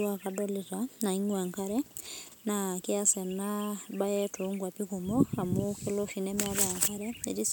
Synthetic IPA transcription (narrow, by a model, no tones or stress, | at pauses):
wakadɔlitanaiŋwaŋkaɾɛnakiasɛnabajetuŋɡwapikumɔamokeloʃinɛmɛaβaaŋkaɾɛḛtis